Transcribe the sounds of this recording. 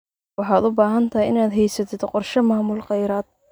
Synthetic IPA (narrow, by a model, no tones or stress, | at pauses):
wɑħɑːd̪ʊbaːɦɐnt̪ʰɐjɪnaːd̪ɦɛjsɐt̪ʰɪd̪qɔrʃɐmaːmʊlqɑjɾaːd̪̚